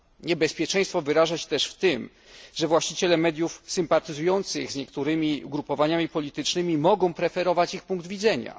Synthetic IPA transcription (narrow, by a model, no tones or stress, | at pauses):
ɲɛbɛspʲjɛt͡ʂɛ̃j̃st̪fɔvɘɾaʐaɕɛ̥t̪ɛʂft̪ɘm | ʐɛvwaɕt͡ɕit͡ɕɛlɛmɛd̪ʲjufsɘmpat̪ɘzujɔnt̪sɘɣzɲɛkt̪uɾɘmʲiɡɾupɔvaɲamʲipɔlʲit̪ɘt͡ʂnɘmʲimɔɡɔ̃w̃pɾɛfɛɾɔvat͡ɕixpuŋkd̪vʲidzɛɲa̰